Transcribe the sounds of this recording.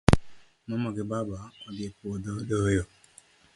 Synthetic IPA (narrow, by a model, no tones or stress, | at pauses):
mɔmɔɡɪbabaɔɡepododojo